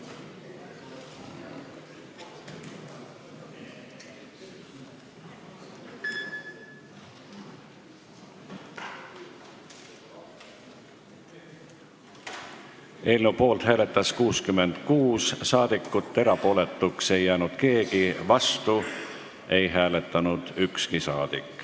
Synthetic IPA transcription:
e̞lnupo̞ːlt̪hæːle̞t̪ˑːɑskuːskyme̞nd̪̥kuːssɑːd̪ikːut̪ːe̞ɾɑpo̞ːle̞t̪ˑːukse̞jːæːnud̪̥ke̞ːkivɑst̪u | e̞jɦæːle̞t̪ːˑɑnud̪̥ykskisɑːd̪̥ikːˑ

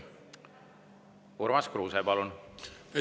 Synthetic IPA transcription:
kuɾmɑskruːsepɑlun | e

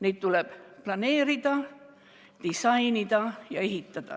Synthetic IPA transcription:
niːt̪t̪ulepplɑneːrit̪ɑ | d̪̥isɑinit̪ɑjɑehit̪ːɑt̪ɑ̰

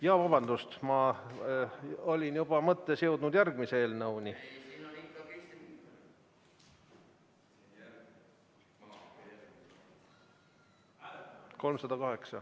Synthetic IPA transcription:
jɑvɑbɑnd̪ust̪mɑ | o̞lʲinjub̥ɑmɤt̪ːe̞sje̞wd̪nud̪jærɡmiseeːlnɤwnʲiinokːei | ko̞lmsɑd̪̥ɑkɑɦe̞ksɑ

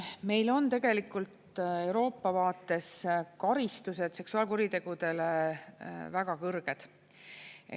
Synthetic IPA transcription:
me̞jlo̞nt̪e̞ɡ̥e̞likːˑult̪e̞wɾo̞ːpːɑvɑːt̪ːˑe̞skɑɾist̪use̞d̪̥se̞ksuɑːlkuɾit̪e̞ɡ̥ud̪e̞le | væɡ̥ɑkɤrɡ̥e̞d̪̥

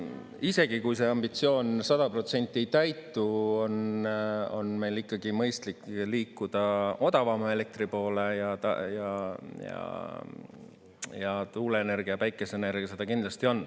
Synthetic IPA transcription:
ise̞ɡ̥ikujse̞ɑmbit̪sio̞ːnsɑd̪̥ɑpro̞t̪se̞nʲt̪ʲːˑit̪æjt̪ːuo̞n | o̞nme̞jlikːˑɑɡ̥imɤjst̪likliːkˑːud̪̥ɑo̞d̪ɑvɑmɑe̞le̞k̚t̪ripo̞ːle̞jɑt̪ɑjɑ̰jɑ̰ | jɑt̪uːle̞ːne̞rɡ̥ijɑpæjkːˑe̞sene̞rɡ̥jɑsed̪̥ɑkind̪lɑst̪io̞n

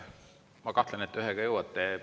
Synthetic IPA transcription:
mɑkɑht̪lenet̪ːyɦeɡ̥ɑjɤwɑt̪ːe

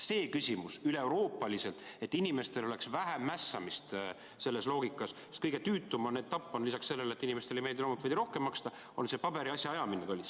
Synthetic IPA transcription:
se̞ːkysʲimusylewɾo̞ːpːˑɑlise̞lt̪ˑe̞t̪ːinime̞st̪e̞lo̞le̞ksvæɦæmæsːɑmist̪ | se̞lːe̞slo̞ːɡikːˑɑsst̪kɤjɡe̞t̪yːt̪ːˑumonet̪t̪ːɑpːonlisɑksːe̞lːelet̪ːinimest̪elejmeld̪iomut̪ːed̪iɾo̞hkemːɑkst̪ɑ | o̞nse̞pɑbe̞ɾiɑsʲjɑɑjɑminːɑɡolʲːi

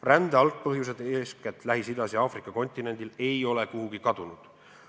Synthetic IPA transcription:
rænd̪̥eɑlt̪̚ˑpɤɦjus̬e̞d̪̥esket̪ːˑlæɦisid̪ɑsiɑːfrikːˑɑko̞nʲt̪ʲˑine̞nʲd̪̥ile̞jo̞le̞kuɦuɡ̥ikɑd̪̥unud̪̥

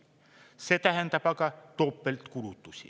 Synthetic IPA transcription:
set̪æhænt̪æpɑkɑt̪opːelt̪kulut̪ːusḭ

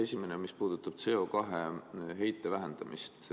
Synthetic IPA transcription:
e̞sʲimenemispuːd̪̥ut̪ːˑɑb̥t̪se̞o̞kɑɦeɦe̞jt̪ːˑevæɦend̪̥ɑmḭst̪

